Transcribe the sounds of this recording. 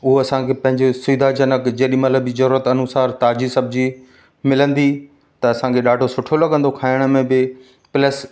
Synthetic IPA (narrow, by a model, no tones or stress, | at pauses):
ʊɦoɐsãkʰepɐ̃ɦɪ̃ɲd͡ʑesʊːd̪ʱad͡ʑɐnəkd͡ʑeːɗĩmɐt̪ləbd͡ʑizɐɾuːɾət̪ɐnʊsaːɾt̪aːd͡ʑisɐb̚d͡ʑi | mɪlə̃nd̪i | t̪ɐɐsãkʰeɗaːɖʱosʊʈʰolɐɠə̃nd̪okʰaːɪɽ̃̆mẽbɪ | pɪləs